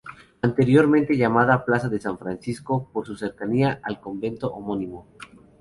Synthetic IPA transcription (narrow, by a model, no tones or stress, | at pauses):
ant̪e̞ɾjo̞ɾmẽ̞nt̪e̞ʝamaðaplasaðesaɱfɾansisko̞poɾsuse̞ɾkaniaʔalko̞mbe̞nt̪oʔomo̞nimo